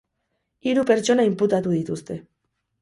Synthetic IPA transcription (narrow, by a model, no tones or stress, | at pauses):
iɾupe̞ɾt͡ʃo̞naimput̪at̪uðit̪ust̪e̞